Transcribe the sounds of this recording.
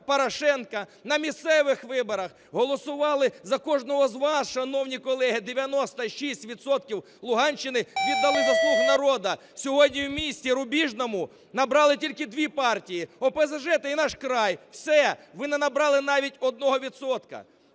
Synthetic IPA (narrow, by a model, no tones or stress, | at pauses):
pɔɾɐʃɛnkɐnɐmʲist̪sɛʋɪxʋɪbɔɾɐx | ɦɔlˠɔsʊʋɑlˠɪzɐkɔʒnɔɦɔzʋɑsʃɐnɔwnʲikɔlˠɛɦɪd̪eʋʲjɐnɔst̪ɐʃisʲtʲʋʲit̪sɔt̪̚kʲiw | lˠʊɦɑnʲʃt͡ʃːɪnɪʋʲid̪ːɐlˠɪzɐslˠuɦʊnɐɾɔd̪ɐ | sʲɔɦɔdʲnʲiwmʲisʲtʲiɾʊbʲiʒnɔmʊ | nɐbɾɑlˠɪtʲilʲkɪd̪ʲʋʲipɑrtʲijiɔpɛzɐʒɛt̪ɪinɑʃkɾɑjwsɛʋɪnɛnɐbɾɑlˠɪnɑʋʲitʲɔd̪nɔɦɔʋʲit̪sɔt̪kɐ̰